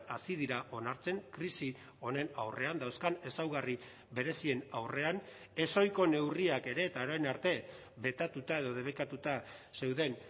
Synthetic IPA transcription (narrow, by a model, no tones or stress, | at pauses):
asið̞iɾaʔo̞naɾt͡se̞ŋkɾisi | o̞ne̞na̰wre̞and̪awskane̞sawɣari | βe̞ɾe̞sie̞nawre̞an | e̞so̞jko̞ne̞wriake̞ɾe̞ːt̪ao̞ɾajnaɾt̪e̞ | be̞t̪at̪ut̪ae̞ðo̞ð̞e̞βekat̪ut̪a | se̞wðe̞n